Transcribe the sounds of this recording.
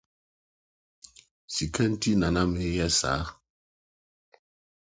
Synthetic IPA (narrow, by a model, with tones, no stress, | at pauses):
si˨kɛ˦n̩˦ti˦na˨na˦me˨˦jɛ˦sa̰˨˦